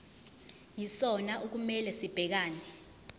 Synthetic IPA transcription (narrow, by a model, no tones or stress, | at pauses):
jisɔnaʔuk̬umɛlɛsib̥ʱɛk̬aːnɛ